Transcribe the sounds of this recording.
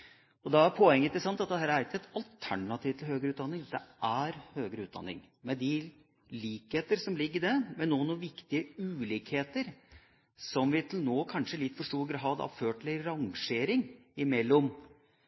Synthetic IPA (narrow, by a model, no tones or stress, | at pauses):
ɔd̪ɑæɾpʰɔɛŋːət̪d̪ɛsɑnt̪ɑt̪̚d̪ɛhæːɾæɾɪkːəɛt̪ɑlt̪ʰæɳɑt̪ʰiːʋt̪ʰl̩høːɡəɾʉːt̪d̪ɑnːɪŋd̪d̪ɛ̰ʔæɾhøːɡəɾʉːt̪̚d̪ɑ̰nːɪ̰ŋ | mɛd̪ɪ | liːkheːt̪əɾsɔmlɪɡːəɖɛmɛnoːnːʋɪkt̪ɪəʉːliːkheːt̪əɾ | sɔmʋɪt̪ʰlnoːkʰɑnʂəlɪt̪ːfɔʂʈuːɾɡɾɦɑd̪ɑ̰føːʈlɪɾɑŋʂeːɾɪŋɪmɛlːɔm